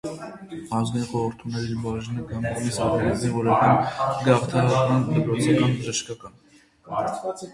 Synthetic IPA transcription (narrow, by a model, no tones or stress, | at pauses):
hɑnzɡ̪ajnχɔɾəɾt̪ʰumnɛɾiɾbɑʒinəɡɑmumisɔɾnɛzinvɔɾɑkɑnɡɑχt̪ʰɑɑɾmɑnt̪ʰəpɾɔt͡sʰɑkɑnbəʒəʃkɑkɑn